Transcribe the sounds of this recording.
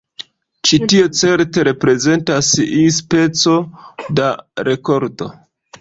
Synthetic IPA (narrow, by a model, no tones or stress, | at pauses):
t͡ʃitiot͡se̞ɾte̞ɾe̞pɾe̞ze̞ntasispe̞t͡so̞daɾʔe̞ko̞ɾdo̞̰